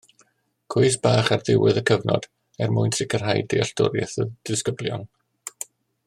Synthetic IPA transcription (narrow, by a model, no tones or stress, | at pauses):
kʰoɨsb̥aːχarðɪwɪðəkʰəvnɔ̰d̥ | ɛrmʊɨnsɪkʰərɦajdiaɬtʊ̰ɾjɛθəd̥ɪskəblˠjɔ̰n